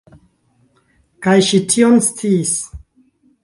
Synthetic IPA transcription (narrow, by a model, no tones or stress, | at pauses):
kajʃitʰionst͡siːs